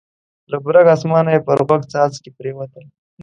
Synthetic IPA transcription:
labɾaɡɑsmɑːnajepəɾɣaɡt͡sɑːzkepɾewat̪əl

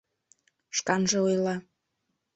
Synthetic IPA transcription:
ʃkɑnʒeujlɑ

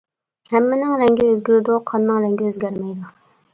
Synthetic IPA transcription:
hɛmːɪnɪŋɾɛŋɡʲɪøzɡʲyɾɪd̪uqʰɑnːɨŋɾɛŋɡʲɪøzɡʲæɾmɛjd̪u

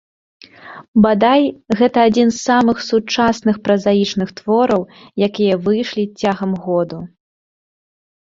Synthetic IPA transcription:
bad̪ajɣɛt̪ɐːd͡zʲinsːamɨxsut͡ʂasnɨxpɾɐzajit͡ʂnɨxt̪vɔɾɐwjakʲijɐvɨjʂlʲit͡sʲaɣɐmɣɔd̪u

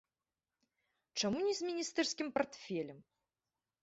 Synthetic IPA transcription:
t͡ʂamunʲizʲmʲinʲist̪ɛrsʲkʲimpart̪fʲɛlʲɛm

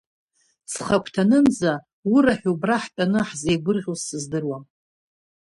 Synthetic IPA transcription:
sχakʷʰtʰanɨmd͡za | uɾaħᶣubraħpʲʼanɨħzejɡʷʊrʁʲozsɨzdɨrwa

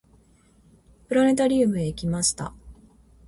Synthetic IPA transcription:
pɯ̟ɾane̞t̪aɾʲiːmɯ̟eikʲimaɕi̥t̪a̰

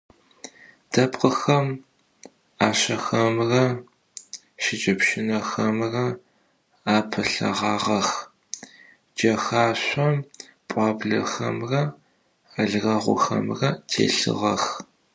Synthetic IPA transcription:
d̥ɐpʼqʼəxɐm | aːɕɐxɐmrɐ | ʃɪd͡ʒʼɐpʃɪnɐxɐmrɐ | aːpʰɐɬɐ̰ʁɑːʁɐx | d͡ʒɐxaːɕʷɐm | pʼɑːbɮɐ̰xɐ̰mrɐ | aɮɣɐʁʷʊ̰xɐ̰mrɐtʰḛːɬɨ̰ʁɐx

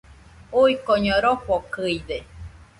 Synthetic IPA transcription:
uikoɲoɾoɸokɨide

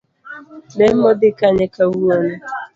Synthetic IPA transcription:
nem̩mɔdɪkaɲekawuɔnʊ

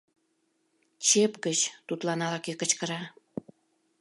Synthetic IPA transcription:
t͡ɕepkət͡ɕt̪ut̪lɑnɑlɑkekət͡ɕkəɾɑ

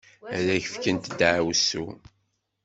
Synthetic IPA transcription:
æɾæçə̥fkənt̪d̪ʕawsṵ

